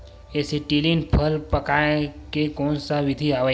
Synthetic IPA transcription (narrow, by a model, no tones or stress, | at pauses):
eːsiʈilinpʰəlpəkaekekɔːnsaʋɪd̪ʱiaʋə